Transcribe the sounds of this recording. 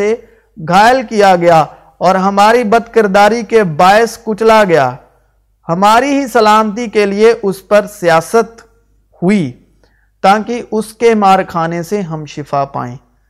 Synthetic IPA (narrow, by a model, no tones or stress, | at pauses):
e | ɡʱaːjəlkijaɡɐja | ɔːɾɦɐmaːɾibɐd̪kəɾd̪aːɾikebaːɪskʊt͡ʃlaɡɐja̰ː | hɐmaːɾiɦisɐlaːmt̪̬ikelieʔʊspɐɾsijaːsət̪ | hʊi | t̪aːkiʔʊskemaːɾkʰaːneseɦɐmʃɪfapa̰ːḛ̃ː